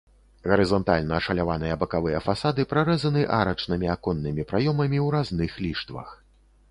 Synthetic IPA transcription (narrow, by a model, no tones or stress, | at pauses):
ɣɐɾɨzɔnt̪alʲnɐːʂɐlʲavanɨjɐbɐkavɨjɐfasad̪ɨpɾaɾɛzɐnɨʔaɾɐt͡ʂnɨmʲiakɔnːɨmʲipɾajɔmɐmʲiwɾaznɨxlʲiʂt̪vɐ̰x